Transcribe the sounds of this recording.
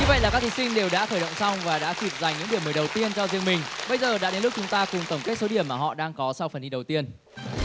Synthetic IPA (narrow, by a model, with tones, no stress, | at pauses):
ɲu˧və̰˧˨jlaː˨˩kaː˦˥kt̪ʰi˨˩sï˧ŋ̟ɗe˨˩wɗa̰ː˧˥xəː˧˩ɗə̰˧˨ŋ͡msa˧wŋ͡mvaː˨˩ɗa̰ː˧˥t̪ʰi˨˩p̚za˨˩jŋ̟ɲɨ̰˧˥ŋi˧˩əməː˨˩ɗə˨˩wt̪i˧ənt͡ɕɔ˧zi˧əŋmï˨˩ŋ̟ɓə˧jzəː˨˩ɗa̰ː˧˥ɗe˨˦nlʊ˦˥k̚t͡ɕʊ˨˦ŋ͡mt̪aː˧kʊ˨˩ŋ͡mt̪ə˧˩ŋ͡mke˦˥t̚so˨˦ɗi˧˩əmːaː˨˩ɦɔ̰˧˨ɗaː˧ŋkɔ˨˦sa˧wfə˨˩nhi˧ɗə˨˩wt̪i˧ən